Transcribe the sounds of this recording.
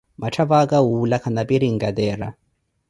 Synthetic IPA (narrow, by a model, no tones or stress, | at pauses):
mat͡ʃʰaβakawulakʰanapiɾiŋ̩ɡad̪ɛːɾa̰